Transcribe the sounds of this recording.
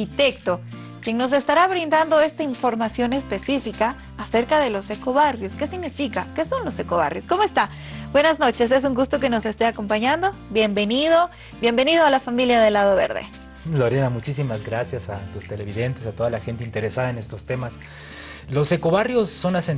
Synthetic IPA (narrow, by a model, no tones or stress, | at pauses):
it̪ekt̪o̞ | kjeŋno̞s̬e̞st̪aɾaβɾind̪and̪o̞e̞st̪aiɱfo̞ɾmasjo̞ne̞spe̞sifikaː | se̞ɾkaðe̞lo̞se̞ko̞βarjo̞ske̞siɣnifikake̞so̞nlo̞seko̞βa̰rjo̞sko̞moe̞st̪a | bwe̞nazno̞t͡ʃe̞se̞s̬uŋɡust̪o̞keno̞se̞st̪e̞ako̞mpaɲand̪o̞bje̞mbe̞niðo̞ | bjembe̞nið̞oalafamiljaðe̞lað̞o̞βe̞̰ɾðḛ | loɾjanamut͡ʃisimazɡɾasjasat̪ust̪e̞leβiðe̞nt̪esat̪o̞ðalaxe̞nt̪eint̪e̞ɾesaðaene̞st̪o̞st̪e̞mas | lo̞sekoβarjosːo̞nase